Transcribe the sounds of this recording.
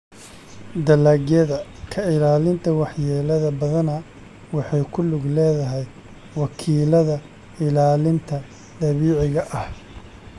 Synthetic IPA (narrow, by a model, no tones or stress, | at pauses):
d̪ɐlaːɡjɛðɐkʰɐɪlaːlɪnt̪ʰɐwɑħjɛːlɐðɐbɐðɐnɐ | wɑħɑjkʰʊlʊɡlɛːðɐɦɛj | wɑkʰiːlɐðɐ | ɪlaːlɪnt̪ʰɐ | ɖɐβiːʕɪɣɐʔɐh